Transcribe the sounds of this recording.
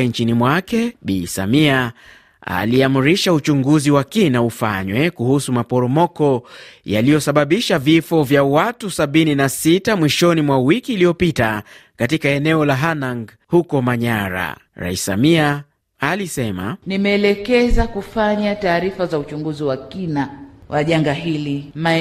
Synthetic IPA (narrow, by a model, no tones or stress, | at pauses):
nt͡ʃinimwakɛɓḭsa̰mia | a̰liamuɾiʃaut͡ʃuŋɡuziwakinaufa̰ɲwɛkuhusumapɔɾɔmɔkɔja̰lijɔsaɓaɓiʃavifɔvjawatusaɓininasitamwiʃɔnimwawikiːlijɔpitakatikaɛnɛɔlaɦanaŋɡ | hukɔmaɲaɾa̰ | ɾa̰isa̰miaː | lisɛma̰nimɛːlɛkɛzakufaɲataːɾifazaut͡ʃuŋɡuziwakinawʔaʄaŋɡaɦilima